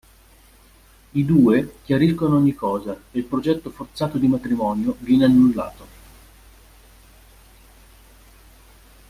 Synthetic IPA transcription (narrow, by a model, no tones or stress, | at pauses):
id̪uːekjaɾiskonoɔɲːikːɔːzaeilpɾod͡ʒɛt̪ːofort̪saːt̪od̪imat̪ɾimɔːnjovjɛneanːulːa̰ːt̪o